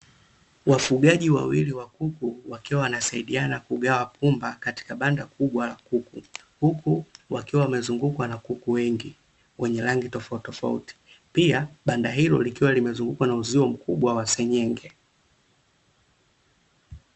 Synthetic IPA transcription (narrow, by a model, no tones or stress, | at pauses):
wafuɠaʄiwa̰wiliwakukuwakiwawanasaiɗianakuɠawapʰumbakati̥kaɓandakʰuɓwalakuku | hukuwakiwawamɛzuŋɡukwanakukuwɛŋɡi | wʔɛɲɛlaŋɡitɔfautɔfa̰ṵti̥ | piaɓandaɦilɔ̰likiwalimɛzuŋɡukwanauziɔm̩kuɓwawasɛɲɛŋɡɛ